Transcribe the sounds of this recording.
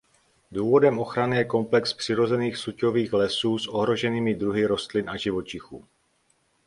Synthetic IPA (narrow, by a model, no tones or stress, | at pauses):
duːvo̞dɛmʔo̞xɾanɪjɛko̞mplɛkspr̝̥ɪɾo̞zɛniːxsuco̞viːxlɛsuːsʔo̞ɦɾo̞ʒɛniːmɪdɾuɦɪɾo̞st̪lɪnʔaʒɪvo̞t͡ʃɪxṵː